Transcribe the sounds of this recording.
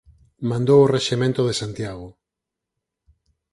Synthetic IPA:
mãnd̪oworeʃemẽnt̪oðesant̪jaɣ̞ʊ

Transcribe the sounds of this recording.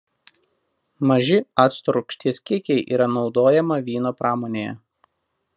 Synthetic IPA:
mɐʒʲɪɑt̪st̪ɾʊkʃʲt̪ʲiːskʲɪkʲɛɪʔḭːɾɐnɒʊd̪oːjɛmɐʋʲiːn̪oːpɾʔɑːmoːnʲeːjɛ̰

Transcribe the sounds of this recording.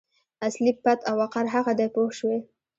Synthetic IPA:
aslipːat̪ʰawaqaɾɦaɣad̪ajpoʃwe

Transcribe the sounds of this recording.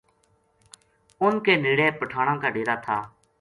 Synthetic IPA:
ʊnkeːneːɽeːpəʈʰaːɽ̃ãːkaːɖeːɾaːt̪ʰaː

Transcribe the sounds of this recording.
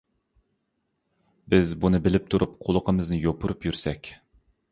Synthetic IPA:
bɪzbunɨbɪlɪp̚t̪ʰuɾup̚qʰolˠʊqʰəmɨznɨjopʰʊɾupjyɾsɛkʲ

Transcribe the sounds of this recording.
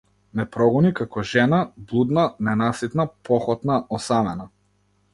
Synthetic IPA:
nɛpɾɔɡɔnikakɔʒɛnablˠud̪nanɛnasit̪napʰɔxɔt̪naʔɔsamɛna

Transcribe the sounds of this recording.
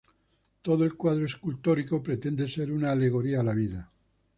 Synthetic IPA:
t̪oð̞oelkwaðɾoeskult̪o̞ɾiko̞pɾet̪end̪ese̞ɾunaːle̞ɣ̞o̞ɾiaːlaβ̞iða

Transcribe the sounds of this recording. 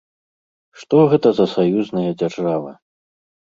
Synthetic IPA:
ʂt̪ɔɣɛt̪ɐzɐsajuznɐjɐd͡zʲarʐavɨ̰

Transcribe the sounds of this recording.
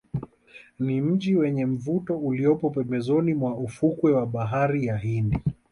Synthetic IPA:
nim̩ʄiwɛɲɛm̩vutɔuliɔpɔpɛmbɛzɔnimwaufukwɛwaɓaɦaɾijaɦindi

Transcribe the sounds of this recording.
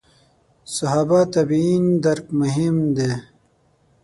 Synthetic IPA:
sɐɦaːbat̪ɐbind̪ɐɾkmʊɦimd̪eː

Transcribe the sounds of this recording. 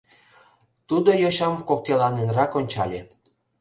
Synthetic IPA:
t̪ud̪ojoɕɑmkok̚t̪elɑnenrɑkonʲt͡ɕɑlʲe

